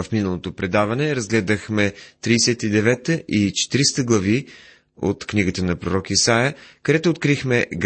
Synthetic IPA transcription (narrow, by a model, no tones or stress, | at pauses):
əfminəlˠot̪opɾɛd̪avɐnɛɾɐzɡlɛd̪əxmɛt̪ɾiːsɛt̪id̪ɛvɛt̪əʔit͡ʃɛ̥t̪iɾist̪əɡlˠɐvi | o̰t̪kniɡət̪ənɐpɾoɾɔkisajəkəd̪ɛt̪ʊːt̪kɾixmɛɡ